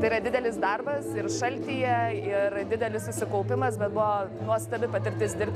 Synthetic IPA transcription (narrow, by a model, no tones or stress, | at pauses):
t̪ɐɪiːɾɐd̪ʲɪd̪ʲɛlʲɪsd̪ɐrbɐsɪrʃɐlʲt̪ʲijɛɪrd̪ʲɪd̪ʲɛlʲɪssʊʃsʲɪkɐʊpʲɪmɐsbʲɛt̪̚bʊʋonuɔst̪ɐbʲɪpɐt̪ʲɪɾʲt̪ʲɪsd̪ʲɪɾʲp̚ʲt